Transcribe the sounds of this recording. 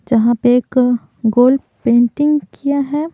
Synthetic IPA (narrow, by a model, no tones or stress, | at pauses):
d͡ʒɐɦãpeeːk | ɡoːl | pẽːɳʈɪ̃ŋɡkʰijaɦɛː